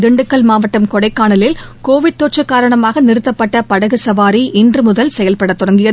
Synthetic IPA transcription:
d̪ɪɳɖɯkːɐɭmaːʋɐʈːɐmkɔɽɐɪkːaːɳɐlɪlkoːʋɪʈ̚t̪ːoːʈt͡ʃɐkːaːɾɐɳɐmaːɣɐnɪɾɯt̪ːɐpːɐʈːɐpɐɽɐɣɯsɐʋaːɾiʔɪndrɯmʊðɐlsɛjɐlpɐɽɐt̪ːʊɽɐŋɡɪjɐ

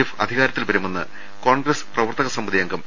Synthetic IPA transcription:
ifɐ̰d̪ʱiɣaːɾɐt̪ːilpɐɾumenːɨ̰ | ko̞ːɳɡresprɐʋɐrt̪ɐɣɐsɐmbɐðijɐŋɡɐm

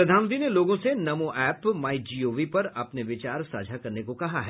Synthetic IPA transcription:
ɾɐd̪ʱaːnʋə̃nt̪ineloːɡõsenɐmõʔɛːpmaːid͡ʒiːoːʋipɐɾɐpneʋɪt͡ʃaːɾsa̰ːd͡ʒʱakɐɾnekokɐɦaɦɛ

